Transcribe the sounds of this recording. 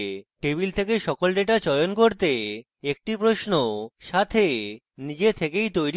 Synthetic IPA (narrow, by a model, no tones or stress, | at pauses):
ʈeβilt̪ʰekeʃɔkolɖeʈat͡ɕɔjonkoɾt̪e | ek̚ʈipɾoʃnoʃat̪ʰe | nid͡ʑet̪ʰekejt̪ojɾi